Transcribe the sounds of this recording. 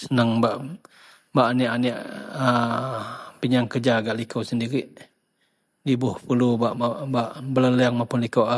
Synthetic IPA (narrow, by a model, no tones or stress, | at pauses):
sənəŋbaʔ | baʔaniʔaniʔə | piɲaŋkəd͡ʒaɡaʔlikʰəwsəndiɾiʔ | dibʊhpulubaʔabaʔbələləaŋmapʊnlikawa